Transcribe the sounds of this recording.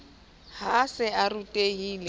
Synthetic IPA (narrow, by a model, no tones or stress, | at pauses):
hasɪarutʼeiːle